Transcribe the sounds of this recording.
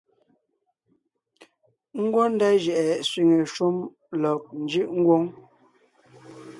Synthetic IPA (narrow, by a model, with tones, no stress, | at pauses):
ŋ̩˦ɡwɔ˦n̩˦da˦ʒɛ˨ʔɛ˨swi˨ŋe˨ʃu˦m | lɔ˨k̚n̩˨d͡ʒi˦ʔŋ̩˦ɡwo˦ŋ